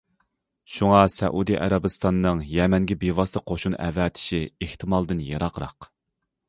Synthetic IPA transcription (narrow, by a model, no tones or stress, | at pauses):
ʃuŋɑsɛ̰ʔud̪iʔɛ̰ɾɑbɨst̪ʰɑnnːɨŋjɛmɛŋɡʲɛbevɑsɨqʰoʃunɛ̰vɛːt̪ʰɪ̥ʃieht̪ʰɨmɑlˠd̪ɨnjɑɾɑqɾɑ̰q